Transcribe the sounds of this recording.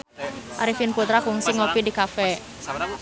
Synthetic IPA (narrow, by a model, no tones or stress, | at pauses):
ʔaɾifinput̪ɾakuŋsiŋopidikafɛ